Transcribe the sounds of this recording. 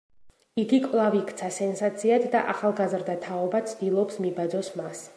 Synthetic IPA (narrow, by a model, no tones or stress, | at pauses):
iɡikʼvlˠavikʰt̪sʰasɛnsat̪sʰiat̪ʰd̪aʔaχalˠɡazɾd̪at̪ʰaɔbat̪sʰd̪̥ilˠɔpsmibad̪zɔsmas